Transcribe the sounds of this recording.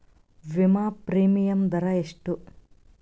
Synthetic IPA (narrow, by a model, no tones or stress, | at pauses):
ʋimaːpɾiːmijɐmd̪ɐɾɐeʂʈu